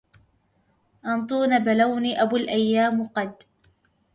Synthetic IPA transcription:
ʔɑnt̪ˤuːnabalawniːʔabulʔajːaːmqɑd̪̚

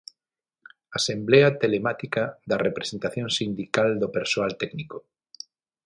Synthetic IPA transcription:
asembleat̪elemat̪ikaðarepɾesent̪aθjõŋsind̪ikald̪opeɾsoalt̪ɛkniko

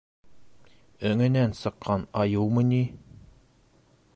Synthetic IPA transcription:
ɵ̆ŋɘ̆nænsɤ̆qʰːɑnɑjɤwmɤ̆ni

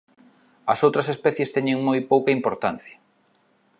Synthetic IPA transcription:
ɐsowt̪ɾɐsespɛθjest̪ɛɲeŋmojpowkɐimpoɾt̪an̟θjɐ̥

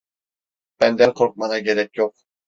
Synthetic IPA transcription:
b̥ænd̪ænqʰoɾq̚mɑnɑɡeɾɛk̚ʲjoq̚

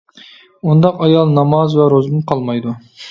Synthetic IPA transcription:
und̪ɑqɑjɑlˠnɑmɑzwɛɾozmunqʰɑlˠmɑjd̪u

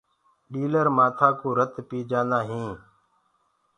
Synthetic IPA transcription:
ɗiːləɾmaːt̪ʰaːkoːɾət̪piːd͡ʒaːnd̪aːɦĩː

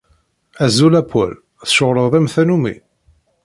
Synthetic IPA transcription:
æzulæpʰːo̰l | θʃʊɾˤəðˤðˤæmθænumḭ

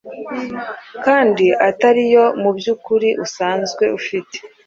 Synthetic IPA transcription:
kaːndiʔataɾijo̞mubjuːkuɾiʔusaːnzɡwe̞ufite̥

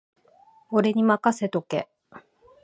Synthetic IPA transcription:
oɾe̞ɲ̟imakase̞t̪o̞ke̞̰

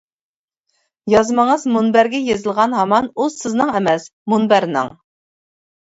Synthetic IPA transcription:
jɑzməŋəzmunbæɾɡʲɛjezɨlˠʁɑnɦɑmɑnuzsɪznɨŋɛmɛs | munbæɾnɨ̰ŋ

